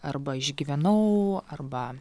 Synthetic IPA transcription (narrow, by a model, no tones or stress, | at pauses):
ɐrbɐɪʒʲɡʲiːʋʲɛnɐʊɐrbɐ